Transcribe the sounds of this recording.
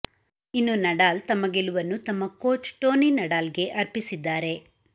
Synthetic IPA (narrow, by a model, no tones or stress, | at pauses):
inːunɐɖaːlt̪ɐmːɐɡeluʋɐnːut̪ɐmːɐkoːt͡ʃʈoːninɐɽaːlɡe̞ʔɐɾpisid̪ːaːɾe̞